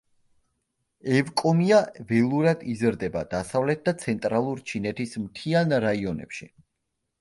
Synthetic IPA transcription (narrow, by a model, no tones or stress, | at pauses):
ɛvkʼɔmiavɛlˠuɾad̪izɾd̪ɛbad̪̥asavlɛt̪̚d̪at̪sʰɛnt̪ʼɾalˠuɾt͡ʃʰinɛt̪ʰismt̪ʰianɾaiɔnɛ̰pʃi